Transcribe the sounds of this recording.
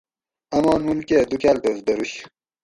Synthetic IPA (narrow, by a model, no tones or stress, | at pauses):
ɐmaːnunkeːd̪ukaːlt̪osd̪ɐɾuɕ